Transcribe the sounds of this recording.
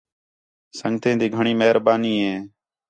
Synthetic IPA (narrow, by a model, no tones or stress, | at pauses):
səŋt̪ẽːd̪iːɡʱəɳiːmeːɾbaːniːɦẽː